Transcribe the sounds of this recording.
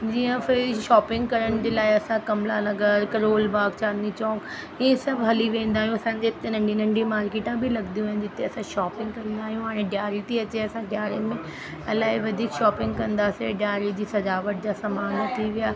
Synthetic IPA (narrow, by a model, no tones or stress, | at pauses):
d͡ʑijãfɪɾʃɔːpɪ̃ŋɡkɐɾəɽ̃d͡ʑeːlaːeɐsãkɐmlalɐɡəɾkɐɾoːlbaːɡ̚t͡ʃaːd̪it͡ʃɔ̃ːk | ɪẽsɐbɦɐliʋẽːnd̪aːɦijũɐsãd͡ʑeːt̪ẽnɐ̃ɳɖinɐ̃ɳɖimaːɾkeːʈãbʱilɐɡd̪ijũnd͡ʑɪt̪ʰːẽɐsãʃɔːpɪ̃ŋɡkɐɾənd̪aːɦijũaɽ̃ẽɖjaːɾit̪iɐt͡ɕeɐsãɖjaːɾimẽ | ɐlːaːɦiʋɐd̪ʱiːkʃɔːpɪ̃ŋɡ̚kɐ̃nd̪aːseɖjaːɾid͡ʑiːsɐd̪aːʋəʈ̚d͡ʑasɐmaːnt̪ʰiʋɪjaː